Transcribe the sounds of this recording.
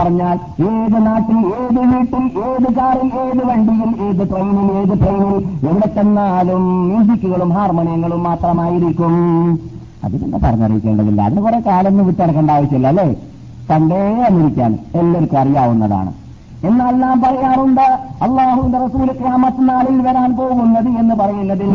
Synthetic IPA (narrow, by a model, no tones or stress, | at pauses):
pɐrɐɲːaːl | eːðɨnaːʈːileːðɨʋiːʈːileːðɨkaːrileːðɨʋɐɳɖiɣileːðɨʈrejnile̞ːðɨʈrejnile̞ʋiɽet̪ːenːaːðumjinsikːuɣɐɭumɦaːrmoɳijɐŋːɐɭumːaːt̪rɐmaːjiɾikʲːum | ɐ̰ðinḛnːepɐ̰rɐɲːɐrijikʲːeːɳɖɐðḭlːɐ̰ɐ̰ðinekure̞kaːlɐnːɨʋiʈːeɽɐkːɐɳɖaːʋit͡ɕːilːɐlːe̞ː | k̪ɐɳɖeɐmiɾikʲːa̰ːnṵelːoɾukːuɐrijaːʋunːɐ̰ða̰ːɳɨ̰ | e̞nːaːlnaːmpɐrɐjaːnuɳɖɨɐlˠˤːaːhuʋind̪erɐsuːlkraːmɐt̪ːɨnaːliilʋɐɾaːnpo̞ːɣunːɐðɨe̞nːɨpɐrɐjunːɐðil